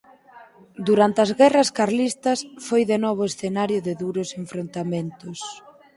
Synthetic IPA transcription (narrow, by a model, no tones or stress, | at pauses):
d̪uɾant̪eɐzɣɛrɐskaɾlist̪ɐsfojðenɔβ̞ʊesθenaɾjʊðɪðuɾʊseɱfɾont̪amẽnt̪ʊs